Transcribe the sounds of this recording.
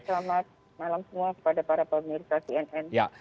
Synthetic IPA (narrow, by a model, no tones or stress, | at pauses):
səlamat̪̚ | malamsəmuakə̥padapaɾapəmirsasiɛnɛnja